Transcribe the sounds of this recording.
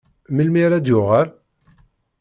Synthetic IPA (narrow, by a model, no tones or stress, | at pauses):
məlmiɾæd̪jʊʁəɾ